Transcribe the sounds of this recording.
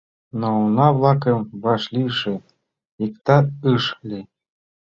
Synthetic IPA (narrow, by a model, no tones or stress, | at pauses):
nounɑβlˠɑkəmβɑʃlʲiʃĕ | ikt̪ɑɯʃlʲi